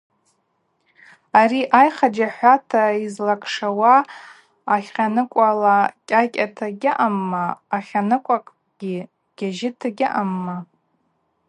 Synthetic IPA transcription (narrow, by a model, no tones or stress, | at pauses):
ariʔajχad͡ʒaħʷatʰaizlakʼʰʂawaː | χʲqʲanɨkʷʼalakʲʼakʲʼatʰaɡʲaʔamːaːχʲanɨkʷʼakʼ | ɡ̥ʲi | ɡ̥ʲaʒɪtʰaɡʲaʔamːa